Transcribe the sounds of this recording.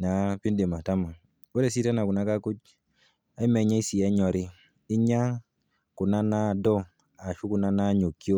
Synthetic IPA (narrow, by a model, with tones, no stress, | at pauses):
na˨˦pi˦nde˨ma˨ta˦ma˨ | wo˦ɾe˦˨si˦ta˦na˨ku˨na˦ka˦ku˦ɟ | a˦i˦me˨ɲa˦i˦si˨e˦ɲɔ˨ɾi˦ | i˦ɲa˦ | ku˨na˦na˦do˦ | a˨ʃu˦ku˨na˦na˦ɲo˨kːi˦o˦